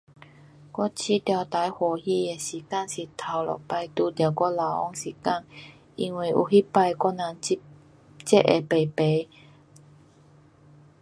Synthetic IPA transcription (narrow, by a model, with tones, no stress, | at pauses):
kʷɔ˥t͡ɕʰi˦t̪ja˧wt̪a˨˧˦jhwɔ˨˩hi˦˧˩e˨˩ɕi˨˩ka˥˨ŋsi˨˩t̪ʰa˨˩wlɔ̰˨˩pa˧jt̪u˧d̪ja˨˩kɔ˦˥la˨˦wʔɔ̰˥˩ŋsi˨˩ka˥˨ŋ | i˧ŋwi˧˩ʔṵ˨˩ɦi˦pa˧jkɔ˦˥na˨˧˨ŋ˦ | t͡ɕɛ˦˥ʔʔḛ˨pe˨˩pe˨˦